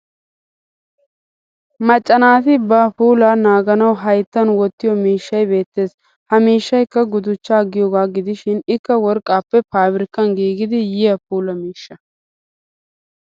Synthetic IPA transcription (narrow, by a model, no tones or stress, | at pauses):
mɐt͡ʃʼːɐnaːt̪ɪbɐpuːlɐnaːɡɐnɐwɦɐjt̪ːɐnwɔt̪ːɪjɔmiːʃːɐjbe̞ːt̪ːe̞ːs | hɐmiːʃːɐjkːɐɡʊd̪ʊt͡ʃːaːɡɪjoːɡaːɡɪd̪ɪʃɪnɪkːɐwɔɾkʼːaːpːɛpaːbɪɾɪkːɐnɡiːɡɪd̪ɪjɪjɐpuːlɐmiːʃːɐ